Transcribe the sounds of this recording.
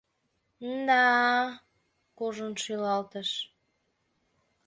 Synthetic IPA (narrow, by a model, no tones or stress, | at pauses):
d̪ɑ | koʒənʃylɑlt̪əʃ